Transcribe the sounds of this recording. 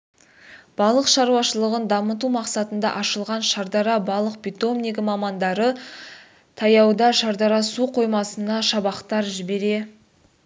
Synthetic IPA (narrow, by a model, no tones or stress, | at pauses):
b̥ɑlˠəqʃɑɾuwɑʃəlˠəʁənd̪ɑmət̪̬umɑqsɑt̪ənd̪ɑ̰ʔɑʃəlˠʁɑnʃɑɾd̪ɑɾɑbɑlˠəq̚pʲit̪o̞mniɡʲɪmɑmɑnd̪ɑɾə | t̪ʰɑjɑwd̪ɑʃɑɾd̪ɑɾɑsuqʰo̞jmɑsənɑʃɑbɑqt̪ɑɾʒɪbe̞ɾe̞